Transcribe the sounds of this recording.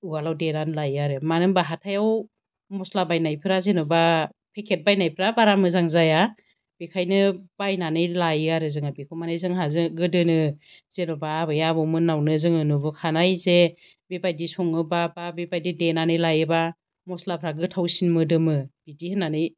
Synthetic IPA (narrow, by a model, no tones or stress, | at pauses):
uɡalawdenanɯlajaɾɯmanɯŋbaɦatʰajaw | mɔslabajnajpʰɯɾazenɔba | pʰekʰet̚bajnajpʰɾabaɾamɯzaŋzaja | b̥ekʰajnɯb̥ajnanɯjlajaɾɯzɯŋabikʰɔmanajzɯŋɦazɯɡɯdɯnɯ | z̥enɔbaːbɯjabɔwmɯnawnɯzɯŋɯnubɯkʰanajze | bebajdisɔŋɯbababebajdidenanɯjlajɯba | mɔslapʰɾaɡɯtʰawsinmɯdɯmɯb̥idihɯnanɯj